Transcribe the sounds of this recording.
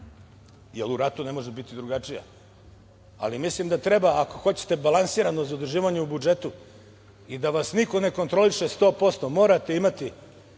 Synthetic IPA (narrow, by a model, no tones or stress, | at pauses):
jeluɾat̪une̞mo̞ʒebit̪id̪ɾuɡat͡ʃija̰ | a̰limislimd̪at̪ɾe̞baːko̞xo̞t͡ɕe̥t̪e̞balˠansiːɾano̞zaod̪ɾrʒiːʋaɲeubud͡ʒe̞t̪u | id̪aʋasniko̞ne̞ko̞nt̪ɾo̞liʃest̪o̞ːpo̞st̪o̞mo̞ːɾat̪e̞imat̪i